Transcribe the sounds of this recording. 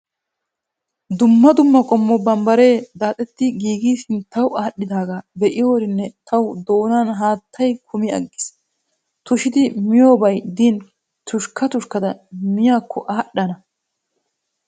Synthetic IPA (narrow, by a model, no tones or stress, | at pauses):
d̪ʊmːɐd̪ʊmːɐkʼɔmːɔbɐmbɐɾe̞ːd̪aːt̪ʼɛt̪ːɪɡiːɡiːsɪnt̪ːɐwaːɗːɪd̪aːɡabɛʔɪjoːɾɪnːɛt̪ʰɐwd̪o̞ːnaːnɦaːt̪ʰːɐjkʰʊmɪɐ̰ɡːɪ̥s | t̪ʊʃɪd̪ɪmɪjo̞ːbɐjd̪in | t̪ʊʃkːɐt̪ʊʃkɐd̪ɐmɪjaːkʰːɔʔaːɗːɐnɐ